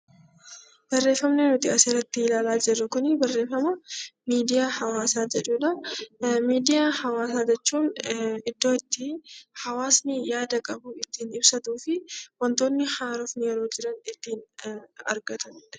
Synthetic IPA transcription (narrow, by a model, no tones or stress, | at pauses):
b̥ɐrːe̞ːfːɐmnenʊt̪ɪɐsɪɾɐt̪ːɪɪlaːlaːd͡ʒɪrːɐkʊnɪbɐrːe̞ːfːɐmɐmiːd̪ɪjahɐwaːsaːd͡ʒɛᶑuːᶑɐ | miːd̪ɪjahɐwaːsaːd͡ʒɛt͡ʃːuːnɪd̪ːo̞ːɪt̪ːɪhɐwaːsnɪjaːd̪ɐkʼɐbuɪt̪ːiːnɪbsɐt̪uːfɪwɐnt̪o̞ːnːɪhaːɾɔfnɪjɛɾo̞ːd͡ʒɪɾɐnɪt̪ːiːnɐ̰ɾɡɐt̪ʰɐn